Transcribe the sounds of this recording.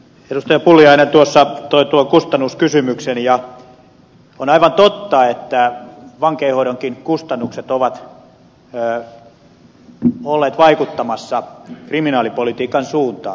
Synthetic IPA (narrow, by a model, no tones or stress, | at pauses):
eɾust̪ɑjɑpulːˑiɑinent̪uosːɑt̪oit̪uolkust̪ɑnːuskysymyksenjɑ | onɑiʋɑnt̪ot̪ːɑet̪ːæʋɑŋkeːhoiɾoŋkinkust̪ɑnːukset̪oʋɑt̪ː | olːeːt̪ʋɑikut̪ːɑmɑsːɑkriminɑːlipolit̪iːkɑnsuːnt̪ɑ̰ː